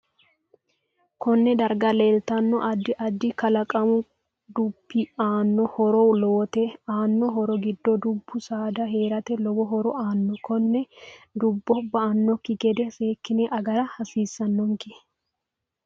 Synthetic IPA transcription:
kɔnːɛd̪ɐɾɡɐleːlt̪ɐnːɔʔɐd̪ːɪʔɐd̪ːɪkɐlɐkʼɐmʊ | d̪ʊbːɪaːnːɔhɔɾɔwloːt̪ɛaːnːɔɦɔɾɔɡɪd̪ːɔd̪ʊbːʊsaːd̪ɐɦeːɾɐt̪ɛlɔɡɔɦɔɾɔaːnːɔkɔnːɛd̪ʊbːɔbːɐɐnːɔkːɪɡɛd̪ɛse̞ːkːɪnɛʔɐɡɐɾɐhɐsiːsːɐnːɔŋkɪ

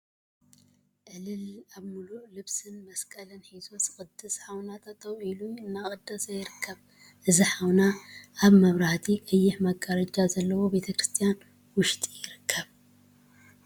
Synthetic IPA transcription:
ʔɨlɨlaβmululɨβsɨnmɐskʼɐlɐnħizosɨ̥xʼɨd̪ːɨsħawnat̪ʰɐt̪ʰɐwiluɨnːakʼɨd̪ːɐsɐjɪɾɨkʰːɐβ | ʔɨziħawnaːβmɐβɾaht̪ʰiʔɨjːɪħmɐɡaɾɐd͡ʒazɐlːɐwo̞be̞t̪ʰɐkɾɨst̪ʰijan | wʊʃt̪ʼijɪɾɨkʰːɐβ

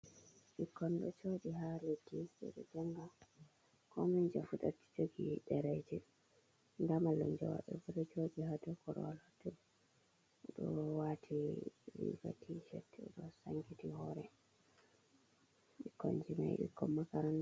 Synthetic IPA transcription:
ɓikʰːɔnɗɔt͡ʃoɗiɦaledːisɛ̰ɗɛd͡ʒɛŋɡa | kɔmiɲd͡ʒafutati̥d͡ʒoɡiɗɛɾɛd͡ʒɛ | ndamalɔnd͡ʒɔwa̰ɗɛbuɾɛt͡ʃoɗihadɔkɔɾɔ̰walɔtu | ɗɔwatʰiɾḭɡa̰tʰit͡ʃɛtːɛɗɔsaŋɡitihɔɾɛ | ɓikːɔnd͡ʒina̰jɗḭkːɔmːakaɾan

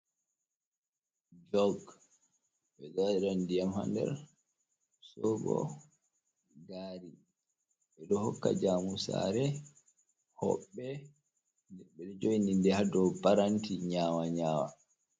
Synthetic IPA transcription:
d͡ʒɔɡ | ɓɛdadɛɾandijamha̰ndɛ̰ɾ | sɔɡɔ̰ | ɡaːɾi | ɓɛdɔhɔkːa̰d͡ʒaːmusa̰ːɾɛ | hɔ̰ɓːɛ | dɛɓɛɗɛd͡ʒojnindɛhadɔbaɾantiɲaːwaɲaːwa̰

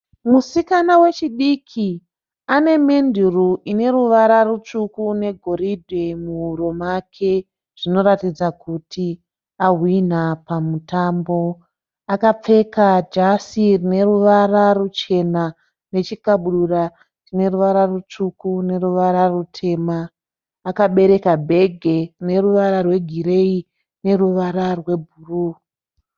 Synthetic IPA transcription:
musikanawe̞t͡ʃiɗikʰi | ane̞me̞nduruʔine̞ɾuʋaɾarut͡ʂukune̞ɡʱo̞ɾidʱwemuuɾomakʰe̞ | ʐ̥ino̞ɾatid͡zakutʰi | aɦwin̤apamutambo̞ | akap͡fe̞kad͡ʒasirine̞ruʋararut͡ʃe̞na | ne̞t͡ʃikaɓuɗura | rine̞ruʋaɾarut͡ʂukune̞ɾuʋaɾarutʰe̞ːmaː | kaɓe̞ɾe̞kabʱe̞ɡʱe̞rine̞ruʋaɾarwe̞ɡʱiɾe̞i | ne̞ruʋaɾarwe̞bʱuruː

